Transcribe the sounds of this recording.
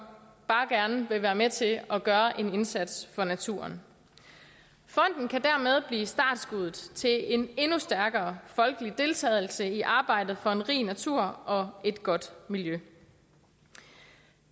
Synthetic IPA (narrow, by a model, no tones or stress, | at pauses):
b̥ɑ̈ːɡ̥æɐnəʋe̝ʋæːɐmet͡sʰe̝ɒɡ̥ɶːɐʔe̝ne̝nsæd̥sfɒ̽næt͡sʰṵɐ̰n | fɒ̽n̰d̥n̩kʰæd̥æɐmeð̞ˠb̥lḭːsd̥ɑ̰̈ːd̥sɡ̥uðˠð̩ˠt͡sʰe̝e̝ne̝nusd̥æɐɡ̥ɐːfɒ̽lɡ̥əlid̥e̝lt͡sʰɛ̰ːɪl̩səiʔɑ̈ːb̥ɑ̈ɪ̰d̥ð̩ˠfɒ̽e̝nʁḭːnæt͡sʰuɐ̰ʔɒ̽e̝d̥ɡ̥ɒ̽d̥miljø